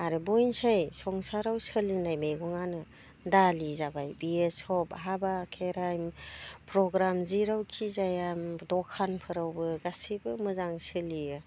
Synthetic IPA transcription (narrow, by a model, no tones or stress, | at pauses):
aɾebojnsajsɔŋsaɾawsəlinajmejɡɔŋanɯ | dalizabajbiesɔpɦabakʰeɾajmpɾɔɡɾamziɾawkʰizajamdɔkʰanpʰɯɾawbɯɡasibɯmɯzaŋsɯliɯ